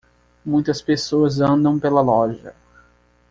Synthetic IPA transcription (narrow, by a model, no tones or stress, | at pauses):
mũj̃t̪ɐspesoɐzɐ̃nd̪ɐ̃w̃pelɐlɔʒɐ̰